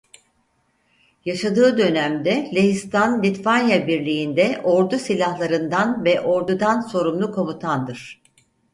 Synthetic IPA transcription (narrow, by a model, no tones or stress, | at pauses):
jaʃad̪ɯːd̪ø̞næmd̪ɛlʲeɦist̪ʰanlʲit̪vanjabiɾlʲijind̪ɛʔo̞ɾd̪usilʲahlˠaɾɯnd̪anvɛʔo̞ɾd̪ud̪anso̞ɾumlˠukʰo̞mut̪ʰand̪ɯɾ̥